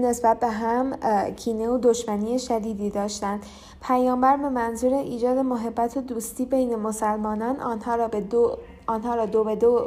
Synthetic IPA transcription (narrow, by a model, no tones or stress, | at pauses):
ne̞sbæt̪̚be̞ɦæmcʰiːneod̪o̞ʃmænieʃæd̪iːd̪iːd̪ɒːʃt̪ænd̪̥ | pʰæjɒːmbæɾbe̞mænzuːɾeʔiːd͡ʒɒːd̪e̞moɦe̞bːæt̪ʰod̪uːst̪iːbe̞jne̞mosælmɒːnɒːnɒnhɒːɾ | ɒːnɦɒːɾɒːd̪obed̪o